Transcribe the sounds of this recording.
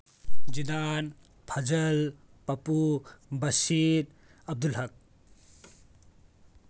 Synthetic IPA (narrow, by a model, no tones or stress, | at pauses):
d͡ʒidan | pʰɐd͡ʒɐlpɐpubɐsiɾ | ɐb̚d̪ulɦɐk̚